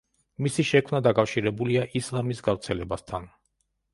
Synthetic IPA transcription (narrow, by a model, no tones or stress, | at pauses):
misiʃɛkʰmnad̪akʼafʃiɾɛbuliaʔislˠamisɡavɾt̪sʰɛlɛbast̪ʰan